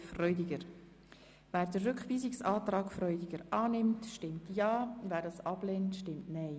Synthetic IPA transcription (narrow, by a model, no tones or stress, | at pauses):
frœʏdɪɡəɾ | væːɾdərːʏkχʋiːzɪksɑːtɾɑːkfɾœʏdɪɡəɾɑːnɪmtʃtɪmtjɑːvæːɾdɑːsɑb̥leːntʃtɪmtnɛɪ